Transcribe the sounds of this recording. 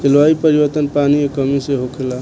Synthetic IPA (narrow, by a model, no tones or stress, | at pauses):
kelʋaipəɾibəɾt̪ənpaniekəmiseɦokʰela